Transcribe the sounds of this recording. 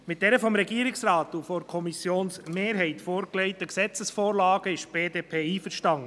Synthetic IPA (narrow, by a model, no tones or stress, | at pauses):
mɪt̚d̥ɛɾəfɔmɾɛɡiːəɾɪksɾɑːt̪ufɔɾkʰɔmisjoːnsmeːɾɦɛɪtfoːɾklɛɪtəksɛt͡səsfoːɾlɑːɡ̥əɪʃb̥eːdeːpʰeːiːfəɾʃtɑŋə